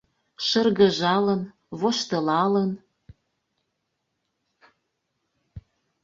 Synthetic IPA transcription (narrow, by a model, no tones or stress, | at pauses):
ʃə̆rɣə̆ʒɑlə̆n | βoʃt̪ɤ̆lɑlən